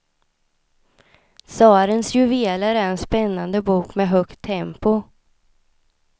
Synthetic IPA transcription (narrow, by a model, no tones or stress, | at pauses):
sɑːɾənsjɵveːlaɾæɾɛnspɛnːand̪əbuːkmɛɦœkt̪ʰːɛmpʊ